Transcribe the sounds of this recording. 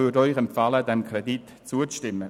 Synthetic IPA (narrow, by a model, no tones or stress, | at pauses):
ʏdɔʏχɛmpfɑlədɛmkʰʁɛdit | t͡suət͡stɪmːə